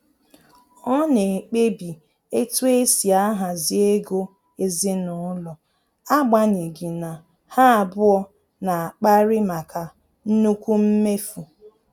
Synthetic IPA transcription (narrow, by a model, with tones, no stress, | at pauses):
ɔ˦ne˨k͡pe˦bi˨ | e˦tu˦e˦si˨a˦ɦa˨zi˦e˦ɡo˦ | e˦zɪ˦nʊ˨˦lɔ˨ | a˦ɡ͡ba˦ni˨ɡi˨na˨ | ha˦a˨bʊ˦ɔ˦ | na˨a˨k͡pa˦ɾɪ˦ma˨kʰa˨ | n̩˦nu˦kʷu˦m̩˦me˦fu˨